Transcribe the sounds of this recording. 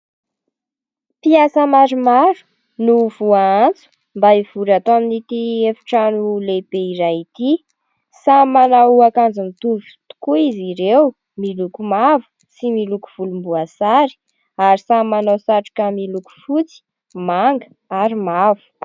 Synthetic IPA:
piasəmaɾumaɾu̥ | nuvuaant͡su̥ | mbaiv̥uɾat̪oaminit̪iefi̥ʈ͡ʂanulebeiɾajit̪i | samanawakand͡zənit̪uvit̪u̥kuiziɾew | milukumavu̥ | similuku̥v̥ulumbuasaɾi̥ | aɾisamanasaʈ͡ʂu̥kamiluku̥fut͡si̥ | maŋɡə | aɾimavu̥

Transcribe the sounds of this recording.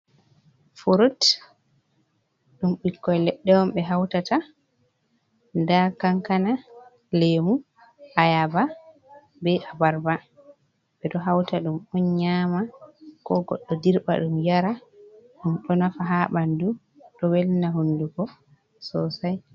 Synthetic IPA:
fuɾut | ɗumɓikːɔjlɛɗːɛwɔmɓɛɦawtata | ndakaŋkana | lemu | ʔajaba | bɛʔabaɾba | ɓɛɗɔɦawtaɗumɗɔnɲamakɔɡɔ̰ɗːɔdiɾba̰ɗumjaɾaɗumɗɔnafaɦaɓandu | ɗɔwelnaɦunduɡɔ | sɔsaj

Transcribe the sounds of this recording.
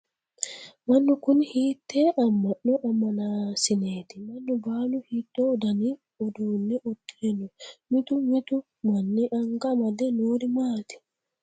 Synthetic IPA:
manːɔkunhitːɛʔamːaɗːɔʔamːanasineːtimanːɔbaːluhitːɔdani | ɔdunːɛʔotːiɾɛnɔmitumitu | manːiʔaŋɡamadɛnoːɾimaːti̥

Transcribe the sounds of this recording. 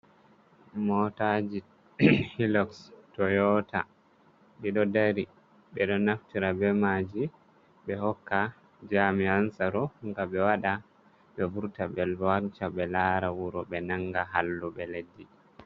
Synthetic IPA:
mɔtad͡ʒi | hilɔkstɔjɔːta̰ | ɗiɗɔdaɾi | ɓɛɗɔnaftiɾabɛmad͡ʒi | ɓɛhɔkːa | d͡ʒamiansaɾɔŋɡaɓɛwaɗa | ɓɛvuɾtabɛlwant͡ʃabɛlaɾawuɾɔɓɛnaŋɡaɦalːuɓɛledːi

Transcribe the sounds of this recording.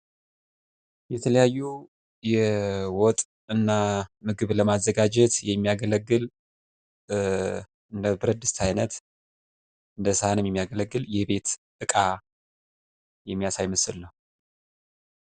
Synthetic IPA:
jɛt̪ʰələjajːu | jɛwɔt̪ʼ | ɨnːamɨɡɨβləmazːəɡad͡ʒɛt̪jɛmːijaɡələɡːɨl | ɨnd̪əbɨɾəd̪ɨst̪ʰajnət̪ | ɨnd̪əsɨhanɨmjɛmːijaɡələɡːɨljɛbe̞t̪ | ɨkʼa | jɛmːijasajməsɨlnəhu

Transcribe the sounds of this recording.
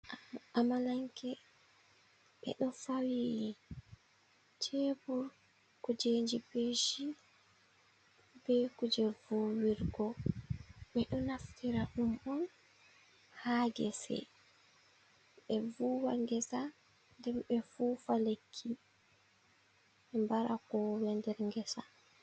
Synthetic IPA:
amalaŋkɛ | ɓɛ̰ɗɔfawiː | t͡ʃʰebuɾ | kud͡ʒeɲd͡ʒipeːʃi | bɛkud͡ʒɛvuːwiɾɡɔ | ɓɛɗɔnaftiɾaɗumɔn | haɡɛ̰sɛ̰ | ɓɛvuːwaŋɡɛsa | ndɛmɓɛfuːfalekʰːi | ɓɛmbaɾakɔwɛndɛɾŋɡɛsa

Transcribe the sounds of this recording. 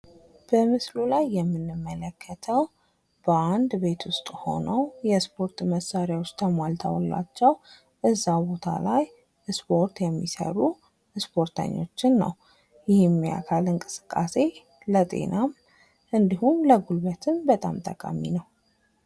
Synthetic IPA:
b̥əmɨslulajːɛmːɨnːɨmːələkʰːət̪ʰəw | b̥əand̪be̞t̪wʊst̪ʼho̞̰nəwjɛspʰo̞ɾt̪məsːaɾjawt͡ʃt̪ʰəmalt̪ʰa̰wlːa̰t͡ʃːɛw | ʔɨzːabo̞t̪ʰa̰laj | spʰo̞ɾt̪jɛmːisə̰ɾu | spʰo̞ɾt̪ʰə̰ɲːo̞̰t͡ʃːɪnːə̰w | jɪhɪmːija̰kʰalɨŋkʼɨsɨ̥kʼːase̞ | lət̪ʼe̞̰nʔam | ʔɨnd̪ihumləɡulbət̪ʰɨnbət̪ʼa̰mt̪ʼəkʼa̰mḭnəw

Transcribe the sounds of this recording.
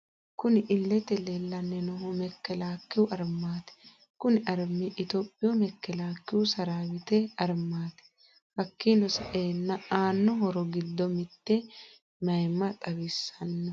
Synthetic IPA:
kʊnɪʔɪlːɛt̪ɛlelːɐnːɛnɔɦɔmɛkːɛlaːkːɪwʊʔɐɾmːaːt̪ɛ̥ | kʊnɪʔɐɾmːɪʔɪt̪opʼːɪjɔmɛkːɛlaːkːɪwʊsɐɾaːwɪt̪ɛɐɾmaːt̪ɛ̥ | hɐkːinɔsɐʔeːnːɐaːnːɔɦɔɾɔɡɪd̪ːɔmɪt̪ːɛ | mɐjmɐt̪ʼɐwɪsːɐnːɐ

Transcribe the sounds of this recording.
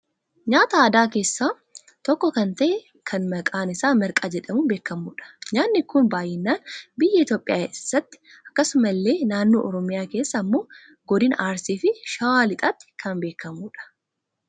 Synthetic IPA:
ɲaːt̪ɐaːd̪aːke̞ːsːaː | t̪ɔkːɔkɐnt̪ɐʔɛ | kʰɐnmɐkʼaːnɪsaːmɛɾkʼaːd͡ʒɛᶑɐmʊbe̞ːkːɐmuːᶑɐ̥ɲaːnːɪkʊnbaːjɪnːaːnbɪjːɐɪt̪joːpʼːɪjaːsːɐt̪ːɪ̥ | ɐ̥kːɐsʊmɐlːe̞ːnaːnːoːʔɔɾɔmɪjaːke̞ːsːɐːmːo̞ː | ɡɔd̪ɪnaːɾsiːfɪʃaalɪt̪ʼɐt̪ːɪ̥kʰɐnbe̞ːkːɐmuːᶑɐ̥

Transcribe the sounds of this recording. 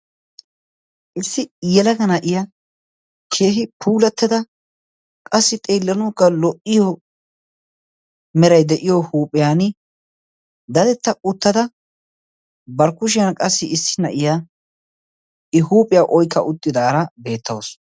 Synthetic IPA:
ʔɪsːɪjɛlɐɡɐnɐʔɪja | kʰe̞ːɦɪpʰuːlɐt̪ːɐd̪ɐ | kʼɐsːɪt̪ʼeːlːɐnuːkːɐlɔʔɪjɔ | mɛɾɐjd̪ɛʔɪjɔhuːpʼɪjaːn | d̪ɐd̪ɛt̪ːɐʔʊt̪ːɐd̪ɐ | bɐɾkʊʃ̬ɪjɐnkʼɐsːɪɪsːɪ̥nɐʔɪja | ɪhuːpʼɪjaʔɔjkʰːɐ̰ʔʊt̪ʼːɪd̪aːɾɐbe̞ːt̪ʰːɐws

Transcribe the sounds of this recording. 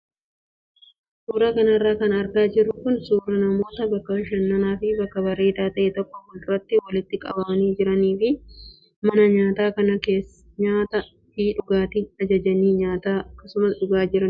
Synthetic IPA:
suːɾɐkɐnɐrːaːkɐnɐɾɡaːd͡ʒɪɾːʊkʊnsuːɾɐnɐmo̞ːt̪ɐbɐkːɐʃɐnːɐnaːfɪbɐkːɐbɐɾe̞ːt̪aːt̪ɐʔeːt̪ɔkːɔkʊlʊɾɐt̪ːɪwɐlɪt̪ːɪkʼɐ̰bɐbɐniːd͡ʒɪɾɐniːfɪ | mɐnɐɲaːt̪aːkɐnɐke̞ːs | ɲaːt̪ɐ | fiːᶑʊɡaːt̪ɪɐd͡ʒɐd͡ʒɐniːɲaːt̪aːɐkːɐsʊmɐsᶑʊɡaːd͡ʒɪɾɐn

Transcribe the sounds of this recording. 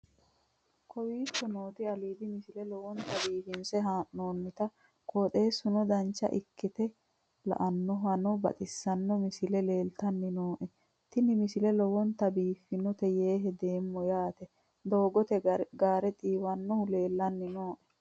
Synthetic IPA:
kʰɔwiːkːɔnoːt̪ɪɐliːd̪ɪmɪsɪlɛlɔwɔnt̪ɐbiːfɪnsɛɦaːʔnoːnːɪt̪ɐ | kʰoːt̪ʼe̞ːsʊnɔd̪ɐnt͡ʃːɐ̰ʔɪkːɪt̪ɛ | lɐ̰ʔɐnːɔɦɐnɔbɐ̰t̪ʼɪsːɐnːɔmɪsɪlɛle̞ːlt̪ɐnːɪnoːʔɛ | t̪ɪnɪmɪsɪlɛlɔwɔnt̪ɐbiːfɪnɔt̪ɛjeːɦɛd̪e̞ːmːɔjaːt̪ɛ | d̪o̞ːɡɔt̪ɛɡaːɾɛt̪ʼiːwɐnːɔhʊleːlːɐnːɪnoːʔɛ

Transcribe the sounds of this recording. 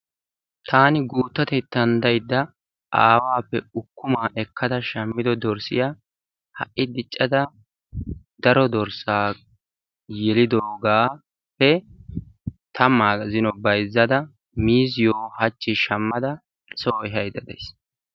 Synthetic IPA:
t̪ʰaːnɪɡuːt̪ːɐt̪ɛt̪ːɐnd̪ɐjd̪ːɐ | ʔaːwaːpːɛʊkːʊmaːʔɛkʰːɐd̪ɐʃɐmːɪd̪ɔd̪ɔɾsɪ̰jaː | hɐ̰ʔʔːɪd̪ɪt͡ʃʼːɐd̪ɐ | d̪ɐɾɔd̪ɔɾsaː | jɛlɪd̪oːɡaː | pːɛ | t̪ʰɐmːaːzɪnɔbɐjzːɐd̪ɐ | miːzɪjoːhɐt͡ʃːɪʃɐmːɐd̪ɐ | soːɛɦɐjd̪ɐd̪ɛ̰js

